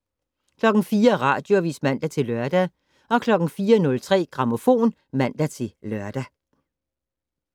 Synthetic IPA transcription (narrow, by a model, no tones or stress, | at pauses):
kʰlɒ̽ɡ̥n̩fiːɐʁɑ̰̈ːd̥jo̝ʋḭːsmæn̰d̥æt͡sʰe̝lɶɐd̥æ | ɒ̽kʰlɒ̽ɡ̥n̩fiːɐnɔ̽lt͡sʰʁɛ̰ːɡ̥ʁɑ̈mo̝fo̝̰ːn | mæn̰d̥æt͡sʰe̝lɶɐd̥æ